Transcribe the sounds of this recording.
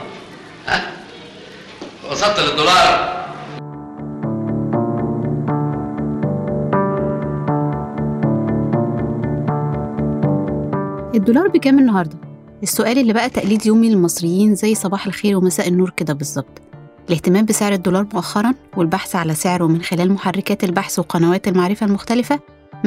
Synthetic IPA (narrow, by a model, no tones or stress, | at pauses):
hæ | ɑsˤɑb̚t̪ːeled̪ːolɑːɾˤ | ʔed̪ːolɑːɾˤbekæːmenːɑɦɑɾˤd̪ˤɑ | ʔesːoʔæːlʔelːibæʔæt̪æʔliːd̪joːmilelmɑsˤɾejːiːnzæjːsˤɑbɑːħelxeːɾwemæsæːʔenːuːɾked̪æbezˤːɑb̥̚t̪ˤ | ʔeleht̪emæːmbeseʕɾed̪ːolɑːɾˤmoʔæxːɑɾˤɑnwelbaħsʕalæseʕɾwemenxelæːlmoħarːekæːt̪elbaħsweqɑnæwæːt̪elmaʕɾefælmoxt̪ælɪfæ